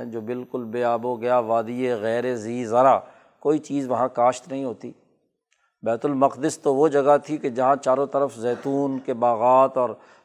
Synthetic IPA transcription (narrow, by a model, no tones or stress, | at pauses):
d͡ʒoːbɪlkʊlbeːaːboɡɐjaʋaːd̪ieɣɛːɾeziːzɐɾa | koːit͡ʃiːzʋɐɦãkaːʃt̪nɐɦĩɦoːt̪ḭː | bɛːt̪ʊlmɐqd̪ɪst̪oʋod͡ʒɐɡat̪ʰiked͡ʒɐɦãt͡ʃaːɾõt̪ɐɾəfzɛːt̪uːnkebaːɣaːt̪ɔːɾ